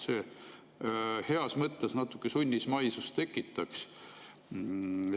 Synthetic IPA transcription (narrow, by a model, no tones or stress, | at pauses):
seː | he̞ɑsmɤt̪ːˑesnɑt̪ːˑu̥kːˑesunʲːismɑjsust̪e̞kːˑit̪ːˑɑks